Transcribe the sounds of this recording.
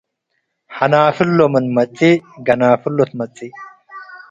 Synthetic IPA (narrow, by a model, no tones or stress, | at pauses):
hɐnaːfɪlːɔmɐnmɐt͡sʼːiɡɐnaːfɪlːɔt̪mɐt͡sʼːɪː